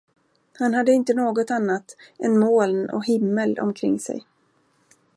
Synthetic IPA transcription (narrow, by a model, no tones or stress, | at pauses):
hanɦad̪ːəɪnt̪ənoːɡɔt̪anːat̪ʔɛnmoːlnɔ̰ɦɪmːəlɔ̰mkʰɾɪ̰ŋːsɛ̰j